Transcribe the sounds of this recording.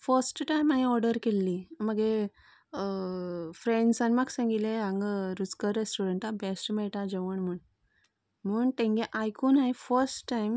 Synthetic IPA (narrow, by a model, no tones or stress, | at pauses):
fəɾsʈʈajmːaɦiɔɾɖəɾkelːiməɡe | fɾeɳɖsanimaɡsãŋɡileãŋɡɾut͡skəɾːesʈuɾəɳʈabesʈmɛɭʈad͡ʑeʋəɳm̤əɳ | m̤əɳt̪ẽŋɡeʔajkuːnaɦifəɾsʈːajm